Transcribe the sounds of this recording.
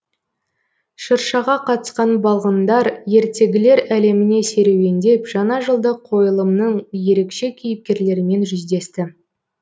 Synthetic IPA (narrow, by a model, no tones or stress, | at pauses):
ʃəɾʃɑʁɑqʰɑt̪ə̥sqɑnbɑlˠʁənd̪ɑɾje̞ɾt̪ʰe̞ɡʲɪle̞ɾæle̞mɪne̞se̞ɾe̞we̞nd̪e̞pʒ̥ɑnɑʒəlˠd̪əqʰo̞jəlˠəmnəɴje̞ɾe̞kʃe̞kʲʰejɪp̚kʲe̞ɾle̞ɾɪme̞nʒʏzd̪e̞st̪ɪ